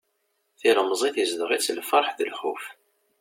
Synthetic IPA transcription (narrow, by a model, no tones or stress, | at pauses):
θiləmzˤiθizðəʁit͡sːəlfəɾˤħðəlħʊf